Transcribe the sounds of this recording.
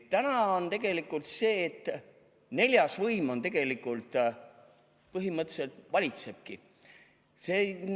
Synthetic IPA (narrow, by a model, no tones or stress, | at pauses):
t̪ænɑont̪e̞ɡ̥e̞likːˑult̪se̞ːt̪ːˑ | ne̞lʲjɑsvɤjmo̞nt̪e̞ɡ̥e̞likːˑult̪ˑ | pɤɦimɤt̪ːˑeselt̪vɑlʲit̪se̞b̥̚ki | seː